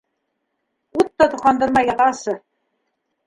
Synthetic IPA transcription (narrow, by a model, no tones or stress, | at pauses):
ut̪ːɑt̪uqɑnd̪ɤ̆ɾmɑjɑʁɑsɤ